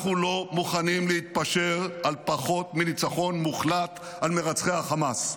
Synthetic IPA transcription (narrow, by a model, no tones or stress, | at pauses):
χulo̞muχanimleit̪̚paʃe̞ʁalpaχo̞t̪milit͡saχo̞nmuχlat̪ | almeʁat͡sχeaχamas